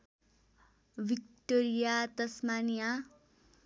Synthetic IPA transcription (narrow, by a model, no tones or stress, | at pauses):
bikʈoɾijat̪ʌsmanija